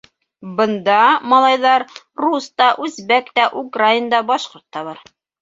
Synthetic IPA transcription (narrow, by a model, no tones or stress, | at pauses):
bɤ̆nd̪ɑmɑlˠɑjðɑɾ | rust̪ɑʔʉzbækt̪æʔukraind̪ɑbɑʃqŏɾt̪ːɑβɑɾ